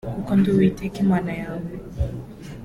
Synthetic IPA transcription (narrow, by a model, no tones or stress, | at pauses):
ukɔnduwitɛkimwanajaŋɛ